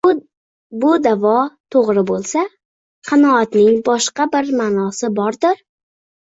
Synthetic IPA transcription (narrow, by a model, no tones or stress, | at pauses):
bʊd̪avɒt̪ʰoʁɾɪbolˠsa | qʰɑnɒːt̪nɪŋbɒʃqabɪɾmaːnɒsɪbɒɾd̪ɪɾ